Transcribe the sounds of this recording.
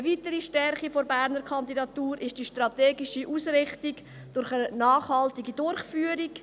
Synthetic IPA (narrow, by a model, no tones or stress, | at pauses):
əviːtəɾiʃtɛɾχifoɾbæɾnəɾkʰɑndidɑtuːɾɪʃd̥iʃtrɑteːɡiʃiʔuːsɾɪχtiɡ | d̥ʊɾχənaːχhɑltiɡidʊrχfyːəɾik